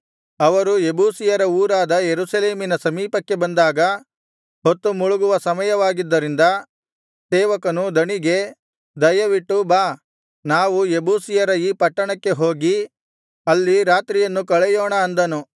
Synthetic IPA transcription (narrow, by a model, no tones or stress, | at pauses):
ɐʋɐɾuebuːsijɐɾɐuːɾaːd̪ɐjeɾusɐleːminɐsɐmiːpɐkːe̞bɐnd̪aːɡɐ | ɦot̪ːumuɭuɡuʋɐsɐmɐjɐʋaːɡid̪ːɐɾind̪ɐ | sɛːʋɐkɐnud̪ɐɳiɡe̞ | d̪ɐjɐʋiʈːubaː | naːʋuebuːsijɐɾɐiːpɐʈːɐɳɐkːe̞ɦo̞ːɡi | ɐlːiɾaːt̪ɾijɐnːukɐɭɛjɔːɳɐːnd̪ɐnu